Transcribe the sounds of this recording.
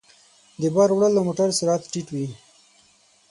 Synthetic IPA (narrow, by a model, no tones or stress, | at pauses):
d̪ebaɾwɽalːamoʈaɾseɾɑt̪ʈiʈwi